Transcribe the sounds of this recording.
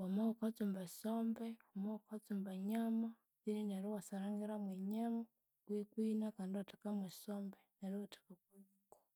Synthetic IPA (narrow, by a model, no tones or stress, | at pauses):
wamawukat͡sumbasoːmbewamoukat͡sumbaɲama | ininaɾiwasaɾaːŋɡiɾamweɲama | kwikwiːnakaːndiwatḁkamwesoːmbenaɾiwatḁkakwi | ko̥